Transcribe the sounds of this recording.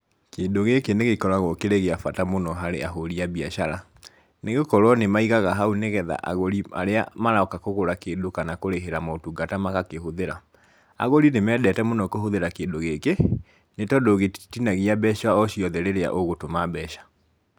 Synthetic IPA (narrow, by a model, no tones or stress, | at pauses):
keːndoɣekeneɣekɔɾaɣokeɾeɣeafatamonɔɦaɾḛaɦoɾiaβiaʃaɾa | neɣokɔɾwɔnemaiɣaɣaɦauneɣɛða̰ʔa̰ɣoɾia̰ɾea̰maɾaɔkakoɣoɾakedokanakoɾeɦeɾamɔotuɡatamakakehoðeɾa | a̰ɣoɾinemɛːdɛtɛmonɔkohoðeɾakeːndoɣeke | netɔdoɣetinaɣiabɛʃaɔɕiɔðɛɾeɾea̰ʔoɣotomabɛʃḁ